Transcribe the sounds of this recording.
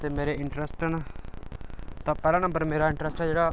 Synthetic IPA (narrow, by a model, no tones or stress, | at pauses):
t̪eːmeːɾeɪɳʈɾəsʈna | t̪ãːpɛːɾaːnə̃mbəɾmeːɾaɪ̃ɳʈɾəsʈãd͡ʒeːɽaː